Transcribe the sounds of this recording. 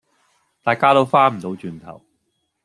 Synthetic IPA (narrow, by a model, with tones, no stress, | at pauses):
t̪aː˨jkaː˥t̪o˥wfaː˥m̩˨˩t̪o˨˥wt͡ʃyː˨nt̪ʰɐ̰˨˩w